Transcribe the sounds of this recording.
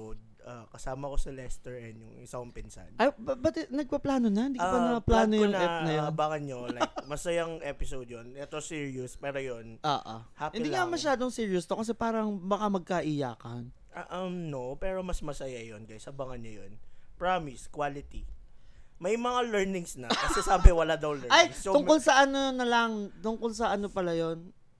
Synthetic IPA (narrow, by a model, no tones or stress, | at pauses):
d̪̚akɐsaːmɐkosɐlɛst̪ɛɹɛnjʊŋɪsɐkʊŋpɪnsa̰nʔɐbɐbɐt̪ɛnɐɡ̚pɐplaːnonɐhɪnd̪ikopɐnɐplaːnojjʊŋnɐɛpnɐjobaŋɐnɲolakmɐsɐjaŋʔɛpɪsowd̪̚jonʔɛt̪osiɹiospɛːɾojonʔo̰ːʔo̰haphɪniŋamɐʃaːd̪o̞ŋsiːɹiost̪o̞kɐs̬ɛpaːɾɐŋbɐkamɐɡ̚kaʔɪja̰ːkɐ̰n | ʔɐʔɐmnopɛːɾo̞mɐsmɐsɐjajonɡajsɐbaŋɐnɲɐjonpɹamiskwalɪt̪i | mɐjmɐŋalɛɹnɪŋsnɐ̰kɐsɛsaːbɛwɐlad̪ɐwlɛajŋsoʊŋolsɐʔɐnonɐlɐŋt̪ʊŋkolsɐʔɐnopɐlajo̞n